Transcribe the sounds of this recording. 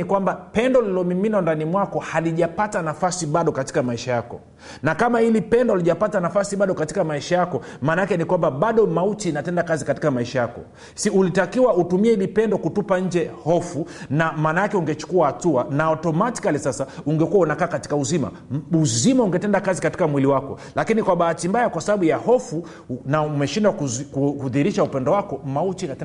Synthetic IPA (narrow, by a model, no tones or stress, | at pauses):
ikwambapɛndɔlilɔmiminandanimwakɔhaliʄapatanafasiɓaɗɔkati̥kamaiʃajakɔ̰ | nakamahilipɛndɔliʄapatanafasiɓaɗɔkatikamaiʃajakɔmaːnaakɛnikwambaɓaɗɔmautiːnatɛndakazikati̥kamaiʃajakɔ̰ | siulitakiwautumiɛhilipɛndɔkutupaɲ̩d͡ʒɛhɔfunamaːnaakɛuŋɡɛt͡ʃu̥kuahatuanaɔtɔmati̥kalisasauŋɡɛkuaunakaːkati̥kauzima̰ | uzimauŋɡɛtɛndakazikati̥kamwiliwakɔ̰ | lakinikwaɓahatimbajakwasaɓaɓujahɔfu | naumɛʃindwakkuhuðiɾiʃaupɛndɔwakɔmaut͡ʃiŋɡɛ